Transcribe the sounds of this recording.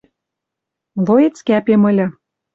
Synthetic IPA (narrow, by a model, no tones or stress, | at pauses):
lojet͡skæpemɤ̆lʲɤ̆